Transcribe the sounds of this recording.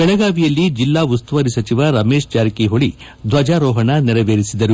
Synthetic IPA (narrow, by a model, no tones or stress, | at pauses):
ɛɭɛɡaːʋijɐlːid͡ʒilːaːust̪uʋɐɾisɐt͡ʃiʋɐɾɐmeːʂt͡ʃaːɾkiɦoɭi | d̪ʱʋɐd͡ʒaːɾɔːɦɐɳɐnɛɾɐʋeːɾisid̪ɐɾu